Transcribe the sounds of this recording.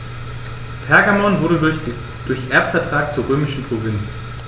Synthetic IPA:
pʰɛɐɡamɔnvʊɐɾədʊɐçd̥ɪ | d̥ʊɐçʔɛɐpfɛɐtʁ̥aːk̚t͡suːɐʁøːmɪʃn̩pʁ̥ovɪnt͡s

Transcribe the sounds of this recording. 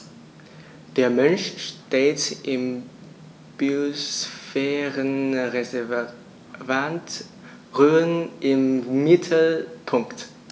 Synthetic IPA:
d̥eːɐmɛnʃʃteːtɪm | b̥iosfɛːʁənʁ | vant | ʁøːənʔɪmːɪtʰl̩pʰʊŋkt

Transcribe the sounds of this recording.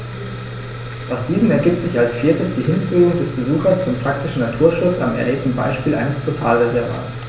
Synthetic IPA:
ʔaʊsd̥iːzn̩ɛɐɡiːp̚tz̥ɪçalsfiːɐtəsd̥iːɦɪnfyːʁʊŋdɛsb̥əzuːxɐst͡sʊmpʁ̥ak̚tɪʃn̩natʰuːɐʃʊt͡sa̰mɛ̰ɐleːp̚tn̩ba̰ɪʃpiːlʔa̰ɪnəspʰotʰaːlʁezɛɐvɐ̰s

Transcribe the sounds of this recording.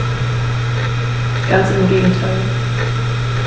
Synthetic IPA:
ɡ̥ansɪmɪmɡeːɡŋ̩tʰaɪl

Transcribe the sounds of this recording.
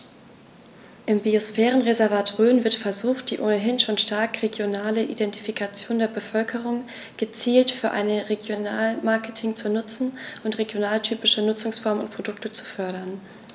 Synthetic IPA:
ʔɪmbiosfɛːʁ̞ənʁezɛɐvaːtʁøːnvɪɐtfɛɐzuːχt̚d̥iːʔoːnəɦɪnʃoːnʃtaɐkʁeɡjonaːləʔḭdɛnti̥fikʰat͡sjoːndeːɐbəfœlkʰəʁ̞ʊŋ | ɡ̥ət͡siːltfyːɐʔa̰ɪnəʁeɡjona̰ːlmaɐkətʰɪŋt͡sunʊt͡sn̩ʔʊntʁeɡjonaːltʰyːpɪʃənʊt͡sʊŋsfɔɐmʊ̰ntpʁ̥odʊktət͡su̥fœɐɾɐn

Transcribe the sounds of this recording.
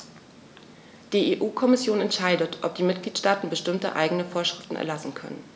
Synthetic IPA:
d̥iːʔeːʔuːkʰɔmɪsjoːnɛntʃaɪdətʔɔp̚d̥iːmɪt̚ɡ̥liːtʃtaːtn̩bəʃtɪmtə̰ʔa̰ɪɡənəfoːɐʃʁ̥ɪftn̩ʔɛ̰ɐlasn̩kʰœ̰nə̰n

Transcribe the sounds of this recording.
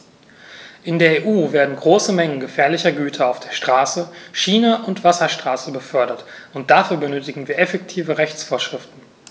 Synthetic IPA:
ʔɪndeːɐeːʔuːveːɐdn̩ɡʁoːsəmɛŋənɡəfɛːɐlɪçɐɡyːtʰɐaʊfd̥eːɐʃtʁ̥aːsəʃiːnaʔʊntv̥asɐʃtʁ̥aːsəbəfœɐɾɐtʔʊnt̚d̥afyːɐbənøːtɪɡŋ̩viːɐɛfɛk̚tʰiːvəʁɛçt͡sfoːɐʃʁ̥ɪftn̩

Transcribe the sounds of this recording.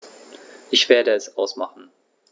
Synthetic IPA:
ʔɪçv̥eːɐdəɛsʔaʊsmaχn̩

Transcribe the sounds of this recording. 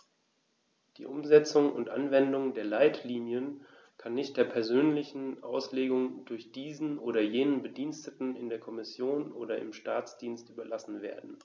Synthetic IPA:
d̥ḭːʔʊmzɛt͡sʊŋʊ̰ntʔa̰nvɛndʊŋdeːɐlaɪtʰliːnjən | kʰanːɪçt̚d̥eːɐpʰɛɐzøːnlɪçn̩ʔa̰ʊsleːɡʊŋdʊɐçd̥iːzn̩ʔoːɾɐjeːnənbədiːnstətn̩ɪndeːɐkʰɔmɪsjoːnʔo̰ːdɾɐʔɪ̰mʃtaːt͡sd̥iːnstʔyːbɐlasn̩vḛːɐdn̩

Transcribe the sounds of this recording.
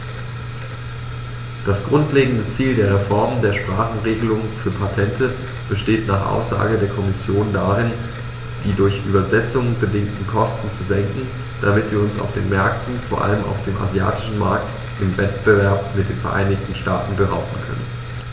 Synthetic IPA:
d̥asɡ̥ʁʊntleːɡŋ̩dət͡siːldeːɐʁ̞efɔɐməndeːɐʃpʁ̥aːχn̩ʁeːɡəlʊŋfyːɐpʰatʰɛntʰə | b̥əʃteːtnaːχʔa̰ʊsz̥a̰ːɡədeːɐkʰɔmɪsjoːndaʁɪn | d̥iːdʊɐçʔyːbɐzɛt͡sʊŋəbədɪŋtn̩kʰɔstn̩t͡suzɛŋkŋ̩ | d̥amɪtv̥iːɐʊnsa̰ʊfd̥ḛːnmɛɐk̚tn̩foːɐʔa̰ləmʔa̰ʊfd̥eːmʔa̰zja̰ːtʰɪ̥ʃn̩maɐkt | ʔɪmvɛtb̥əvɛɐpmɪtd̥eːnfɛɐʔa̰ɪnɪçtn̩ʃtaːtn̩bəʁa̰ʊbn̩kʰœ̰nə̰n

